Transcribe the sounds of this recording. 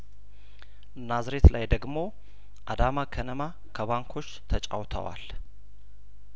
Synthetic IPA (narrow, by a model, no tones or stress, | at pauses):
ɨnazɾe̞t̪lajd̪əɡmo̞ | ʔad̪amakʰənəma | kʰəβaŋkʰo̞t͡ʃːt̪ʰət͡ʃʼa̰wt̪ʰə̰wa̰l